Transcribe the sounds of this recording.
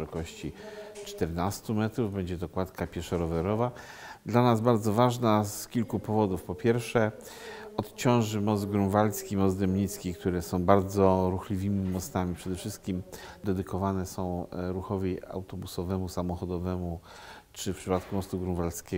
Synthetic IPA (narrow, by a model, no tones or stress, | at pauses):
ɛɾɔkɔɕt͡ɕit͡ʂt̪ɛɾnast̪umɛt̪ɾuvbɛɲd͡ʑɛt̪ɔkwat̪kapʲjɛʂaɾɔvɛɾɔva | d̪lanazbaɾd̪zɔvaʐnaskʲilkupɔvɔd̪ufpɔpʲjɛɾfʂɛ | ɔt̪t͡ɕɔ̃w̃ʐɘmɔzd̪ɡɾũnvalskʲimɔzd̪ɛmɲit̪skʲik̚t̪uɾɛsɔ̃w̃baɾd̪zɔɾuxlʲivʲimʲimɔst̪amʲipʂɛd̪ɛfʂɘst̪̚kʲimd̪ɛd̪ɘkɔvanɛsɔ̃w̃ɾuxɔvʲia̰wt̪ɔbusɔvɛmusamɔxɔd̪ɔvɛmu | t͡ʂɘfpʂɘpat̪kumɔst̪uɡɾũvalskʲɛ